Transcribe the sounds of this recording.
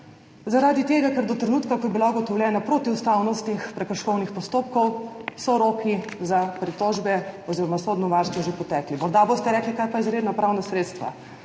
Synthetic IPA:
zaɾad̪it̪eːɡakɛɾd̪ɔt̪ɾɛnuːt̪kakɔtjbilauɡɔt̪ɔwlʲjɛːnapɾot̪iust̪awnɔst̪nixpɾɛkəɾʃkɔwnixpɔst̪oːpkɔwsɔɾokʰizapɾit̪ɔʒbɛɔziːɾɔmasɔd̪nɔʋaɾst̪ʋɔʒepɔt̪ɛːklimɔɾd̪abost̪ɛɾɛːklikajpajizɾeːd̪napɾawnasɾeːt̪st̪ʋa̰

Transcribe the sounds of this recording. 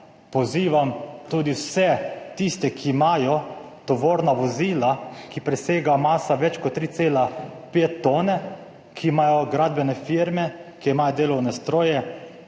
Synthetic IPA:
pɔziːʋamt̪uːd̪iwsɛt̪ist̪ɛkʰiːmaːjɔ | t̪ɔʋoːɾnaʋɔziːlakipɾɛseːɡamaːsaʋɛt͡ʃkɔt̪ːɾiːt̪seːlapeːt̪ːoːnɛ | kʰiːmaːjɔɡɾaːd̪̚bɛnɛfiɾmɛkiimaːjɔd̪eːlɔwnɛst̪ɾoːjɛ

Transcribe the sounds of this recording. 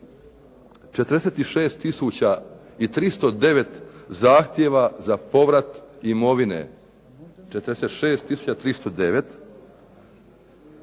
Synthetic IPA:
t͡ʃet̪ɾd̪eseːt̪iʃe̞ːst̪ːisuːt͡ɕa | it̪ɾist̪o̞d̪e̞ʋe̞t̪zaːxt̪je̞ʋazapo̞ʋɾat̪imo̞ʋinḛ | t͡ʃet̪ɾd̪eset̪ʃe̞ːst̪ːisuːt͡ɕat̪ɾist̪o̞d̪e̞ʋe̞t̪

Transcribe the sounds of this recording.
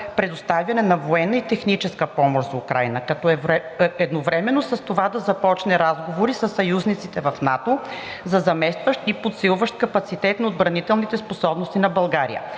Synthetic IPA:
pɾɛd̪ost̪avʲjɐnɛnɐvoɛnːɐit̪ɛxnit͡ʃɛskəpɔmoʃzɐukɾa̰jnəkɐt̪ɔɛvɾɛɛd̪novɾɛmɛnːosɐst̪ovad̪ɐzɐpɔt͡ʃnɛɾazɡovoɾisəsːɐjuznit̪sit̪ɛvɐfnat̪ozɐzɐmɛst̪vəʃt̪ipot̪silˠvəʃt̪̚kɐpɐt̪sit̪ɛt̪nɐod̪̚bɾɐnit̪ɛlˠnit̪ɛsposɔbnost̪inɐbɐlˠɡaɾḭjə̰

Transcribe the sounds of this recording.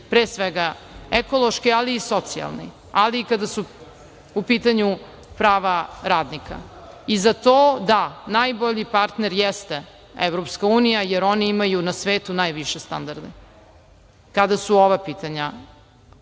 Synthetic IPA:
pɾeːsʋeɡaekolˠoʃkialiːso̞t̪sia̰lˠnḭ | aliːkad̪asu | upiːt̪aɲu | pɾaːʋaɾaːd̪nikʰa̰ | izat̪oːd̪anajboʎipaɾt̪neɾjɛst̪e | eʋɾopskauːnijajeɾo̞niimajunasʋeːt̪unajʋiʃest̪a̰nd̪aɾd̪e | kad̪asuoʋapiːt̪aɲa

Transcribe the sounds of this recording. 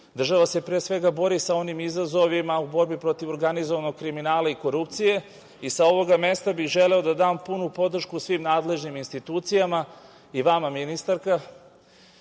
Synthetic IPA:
d̪r̩ʒaʋase̞pɾeːsʋe̞ɡabo̞ɾisao̞nimizazo̞ʋimaubo̞ɾbipɾo̞t̪iʋo̞ɾɡanizoʋano̞ɡ̚kɾiminaːlaiko̞ɾupt̪sije̞ | isao̞ʋo̞ɡame̞st̪abixʒe̞leo̞d̪ad̪aːmpunupo̞d̪r̩ʃkuːsʋiːmnaːd̪le̞ʒniminst̪it̪uːt̪sijama | iʋamaminist̪aɾka

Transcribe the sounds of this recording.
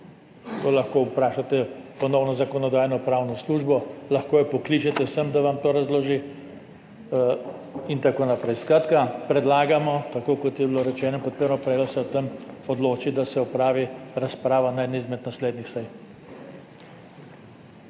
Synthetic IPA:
laxkoupɾaːʃat̪ɛpɔnɔwnɔzakɔnɔd̪aːjnɔpɾawnɔsluːʒbɔlaxkoːjɛpɔklit͡ʃɛt̪ɛsəmd̪aʋamt̪oːɾazloʒi | int̪akoːnapɾɛjskɾat̪kapɾɛd̪laːɡamɔt̪akoːkɔt̪jɛbiloɾɛt͡ʃɛːnɔpɔt̪̚pəɾnɔpɾɛːlɔsɛt̪ɛmɔd̪loːt͡ʃid̪asɛɔpɾaːʋiɾaspɾaːʋanajd̪nizmɛt̪nasleːd̪nixsɛj

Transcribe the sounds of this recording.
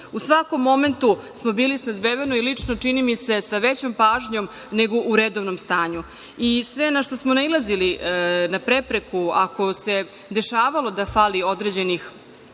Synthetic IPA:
usʋako̞mːo̞me̞nt̪u | smo̞biːlisnad̪beʋenoilit͡ʂnot͡ʂinimise̞saʋet͡ɕo̞mpaːʒɲo̞m | ne̞ɡoʔuɾed̪oʋnomst̪aːɲu | isʋe̞naʃt̪osmonailˠazilinapɾe̞pɾe̞kuako̞se̞ | d̪e̞ʃaːʋalo̞d̪afaːlio̞d̪ɾed͡ʑe̞nix

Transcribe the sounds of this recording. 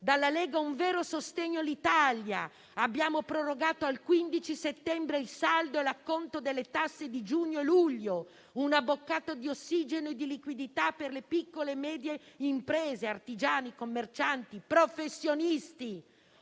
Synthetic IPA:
d̪alːaleːɡauɱvɛːɾosost̪eɲːoalːit̪alja | abːjaːmopɾoroɡaːt̪oalkwind̪it͡ʃiset̪ːɛmbɾeilsald̪oɛlakːont̪od̪elːet̪asːed̪id͡ʒuːɲːoluʎːo | unabːokːaːt̪od̪iosːiːd͡ʒenoed̪ilikwid̪it̪apːerlepikːolemɛːd̪jeimpɾeːzeart̪id͡ʒaːnikomːert͡ʃant̪ipɾofesːjonist̪i

